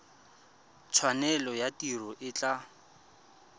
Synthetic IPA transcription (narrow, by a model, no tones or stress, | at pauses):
t͡sʰwanɛlɔjatirɔʔɪt͡ɬʼa